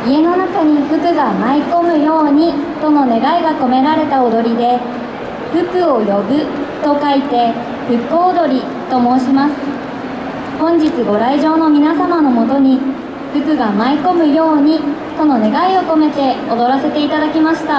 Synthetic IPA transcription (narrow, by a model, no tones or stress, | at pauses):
ie̞no̞nakaɲ̟iɸɯ̟kɯ̟ɡamaiko̞mɯ̟jo̞ːɲ̟it̪o̞no̞ne̞ɡaiɡako̞me̞ɾaɾe̞t̪ao̞d̪o̞ɾʲid̪e̞ | ɸɯ̟kɯ̟o̞jo̞bɯ̟t̪o̞kait̪e̞ | ɸɯ̟kːoːd̪o̞ɾʲi | t̪o̞mo̞ːɕimasɨ̥ | hõ̞ɲ̟d͡ʑit͡sɨɡo̞ɾaiʑo̞ːno̞mʲinasamano̞mo̞t̪o̞ɲ̟i | ɸɯ̟kɯ̟ɡamaiko̞mɯ̟jo̞ːɲ̟i | t̪o̞no̞ne̞ɡaio̞ko̞me̞t̪e̞o̞d̪o̞ɾase̞t̪e̞it̪ad̪akʲimaɕi̥t̪a